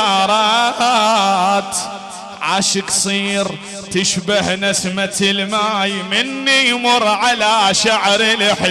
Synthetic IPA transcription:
ɾˤɑ | t̪ | ʕaːʃɪksˤiːɾ | t̪ɪʃbahnɪsmat̪ɪlmaːjmɪnːijmʊɾʕalaʃaʕɾɪlɪħ

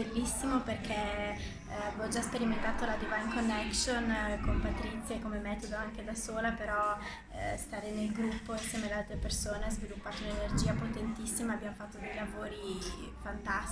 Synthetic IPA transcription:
belːisːimoperkʰɛ | avɔd͡ʒaspeɾiment̪aːt̪olad̪ivajnkonːɛksonkompat̪ɾit̪sːjaekomemɛːt̪od̪oaŋked̪asoːlapeɾɔ | st̪aːɾenelɡɾupːoinsjɛːmead̪alt̪ɾepersoːneazvilupːaːt̪ounenerd͡ʒiːapot̪ent̪isːimaːbːjamofat̪ːod̪ejlavoːɾi | fant̪as

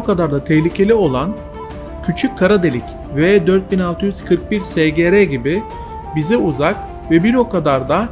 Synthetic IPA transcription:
kad̪aɾd̪at̪ʰɛhlʲicʰe̞lʲio̞lˠan | cʰyt͡ʃʰycʰːaɾad̪e̞lʲic | vɛd̪øɾt̪̚binalˠt̪ʰɯjyz̥kʰɯɾk̚biɾsɛɟeɾɛɟibi | bizɛuzak | vɛbiɾo̞kʰad̪aɾd̪a

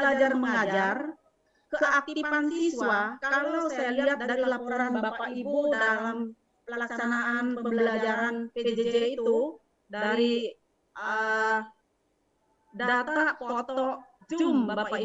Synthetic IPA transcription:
əlad͡ʒarməŋad͡ʒar | kəkəʔak̚t̪ifansisuakalawsajaliɦat̪̚daɾilapɔɾanbapaibuddalam | pəəlaksanaʔanpəəməbəlad͡ʒaɾanpeped͡ʒed͡ʒeit̪u | daɾi | ə | ddat̪apɔt̪ɔd͡ʒʊmbapa

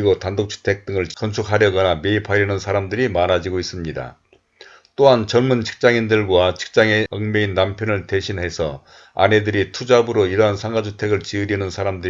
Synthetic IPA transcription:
iɡotandok̚t͡ɕʰi̥tʰe̞k̚t͈ɯŋɯɭkʌnsʰukʰaɾjʌɡʌname̞ipʰaɾjʌnɯnsʰaɾamdɯɾimanad͡ʑiɡois͈ɯmɲida̰ | t͈oɦant͡ɕʌnmunt͡ɕʰi̥k̚t͡ɕ͈aŋindɯɭɡwat͡ɕʰi̥k̚t͡ɕ͈aŋeʌŋmeinːampʰjʌnɯɭte̞ɕʰinɦe̞sʰʌ | a̰ne̞dɯɾitʰud͡ʑabɯɾoiɾʌɦansʰaŋɡad͡ʑutʰe̞ɡɯɭt͡ɕiɯɾinɯnsʰaɾamdɯ

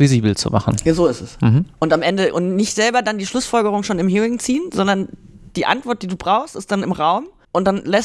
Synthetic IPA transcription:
viziːbl̩t͡sṵma̰χn̩jazoːɪstɛs̩h̩ʔʊntamʔɛndəʔʊntnɪçtz̥ɛlbɐdandiːʃlʊsfɔlɡəʁʊŋʃoːnɪmɦiːʁɪŋt͡siːənzɔndɐnd̥iːʔa̰ntv̥ɔɐt̚d̥iːduːbʁaʊxstɪstd̥anɪmʁaʊm | ʔʊnt̚d̥anlɛs

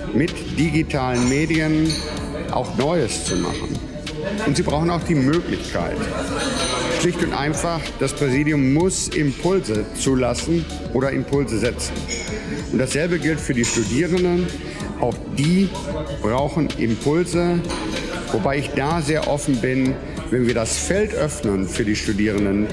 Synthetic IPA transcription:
mɪt | d̥iɡitʰaːlənmeːdiən | ʔa̰ʊxnɔʏəst͡suma̰χn̩ | ʔʊntz̥iːbʁaʊxnaʊxd̥iːmøːklɪçkʰa̰ɪt | ʃlɪçtʊntʔa̰ɪnfaχd̥aspʁ̥ɛziːdjʊmːʊsɪmpʰʊlzət͡suːlasn̩ | ʔoːɾɐʔɪmpʰʊlzəzɛt͡sn̩ | ʔʊntd̥asz̥ɛlbəɡɪltfyːɐdiːʃtudiːʁəndən | ʔaʊxd̥iː | b̥ʁaʊxn̩ʔɪ̰mpʰʊlzə | vobaɪɪçd̥aːzeːɐʔɔfn̩bɪn | vɛnviːɐdasfɛltʔœfnənfyːɐdiːʃtudiːʁ̞əndən

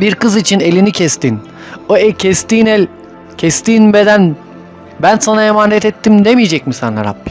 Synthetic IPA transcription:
biɾkɯzit͡ʃʰine̞lʲinicʰɛst̪in | oɛcʰɛst̪iːnɛlʲ | cʰɛst̪iːnbe̞d̪æn | bænsanaemaːnɛt̪ɛt̪ːimd̪emijid͡ʒɛcmisanlːa̰ɾa̰b

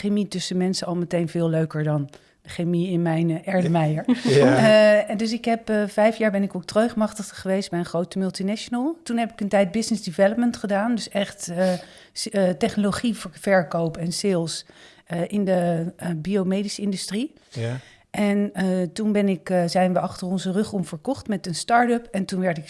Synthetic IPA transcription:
χemitʏsəmɛnsəɑlˠmətejnvɪːlˠløɥkəɹdɑn | dəχemiɪnmɛjnʔɛɹdəmɛjəɹ | dɵs̬ɪkɦɛpvɛjfjaːɹbɛnɪkok̚trøɥχmɑχtəχəχəʋejsd̚bɛjənχrowtəmɵlˠtinɛʃonəlˠtunɦɛpɪ̥kəntɛjt̚bɪsnɪzdɪvɛləp̚məntχədaːndɵsɛχtə | tɛχnoloχifvɛɹkowpɛnsɪlˠs | ʔɪndəbiowmejdisɪndystri | ʔɛntunbɛnɪkzɛjnʋəɑχtərɔnzərɵχumv̥əɹkɔχtmɛtənstɑːɹtøpɛntunʋɛɹtɪk

